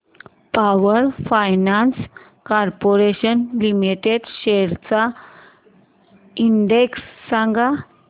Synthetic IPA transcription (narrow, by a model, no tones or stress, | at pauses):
pawəɾfajnans | kaɾpoɾeɕənlimiʈeɖɕeɾt͡sa | inɖeksːaŋɡa